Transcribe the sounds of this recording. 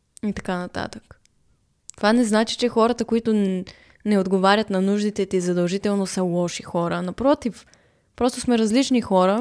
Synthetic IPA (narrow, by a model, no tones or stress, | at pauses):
it̪ɐkanɐt̪a̰t̪ək | t̪ovanɛznat͡ʃi̥t͡ʃɛxɔɾɐt̪əkoit̪ʊ | nɛod̪ɡovaɾʲət̪nɐnuʒd̪it̪ɛt̪izɐd̪ɐlˠʒit̪ɛlˠnosəlˠɔʃixɔɾənɐpɾɔt̪if | pɾɔst̪osmɛɾɐzlit͡ʃnixɔɾə